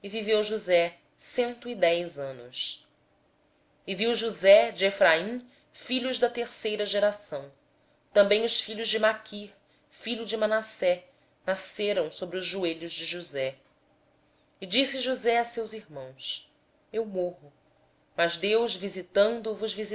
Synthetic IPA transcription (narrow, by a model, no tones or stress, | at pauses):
ɪvivewʒuzɛ | sẽnt̪ʊid̪ɛjzɐ̃nʊs | ɪviwʒuzɛd͡ʒɪefɾaĩ | fiʎʊʒd̪ɐt̪eɾsejɾɐʒeɾasɐ̃w̃ | t̪ɐ̃mbẽj̃ʊsfiʎʊʒd͡ʒɪmakʰiχ | fiʎʊd͡ʒɪmanasɛ | naseɾɐ̃w̃sobɾiʊzːueʎʊzd͡ʒɪʒuzɛ | ɪd͡ʒisɪʒuzɛasewziɦmɐ̃w̃s | ewmoɦʊ | mɐzd̪ewʒvizit̪ɐ̃nd̪ʊvʊzvizi